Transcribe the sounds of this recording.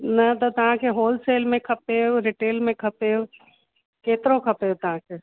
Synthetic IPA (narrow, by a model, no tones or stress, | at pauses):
nɐt̪ɐt̪ɐʋ̤ãkʰeɦoːlseːlmẽkʰɐpeoɾɪʈeːlmẽkʰɐpejo | keːt̪ɪɾokʰɐpejot̪ɐʋ̤ãkʰeː